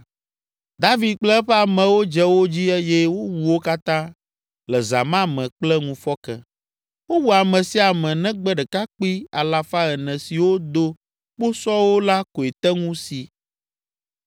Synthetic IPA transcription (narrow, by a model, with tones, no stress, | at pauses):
d̪a˦vi˨d̪̚k͡plɛ˦ɸɛ˦a˨mɛ̃˨wo˦d͡ʒɛ˦wo˦d͡ʑi˦ɛ˦jɛ˦wo˦wu˨wo˦ka˦t̪ã˦ | lɛ˨za̰˨mã˦mɛ̃˨k͡plɛ˦ŋũ˦fɔ˦kɛ˦ | wo˦wu˨a˨mɛ̃˨si˦a˨mɛ̃˨nɛ̃˦ɡ͡bɛ˦ɖɛ˨ka˦k͡pi˦a˨la˦fa˦ɛ˨nɛ̃˨si˨wo˦d̪o˦ | k͡po˦sɔ˦wo˦la˦ko˨e˨t̪ɛ˦ŋũ˦si˨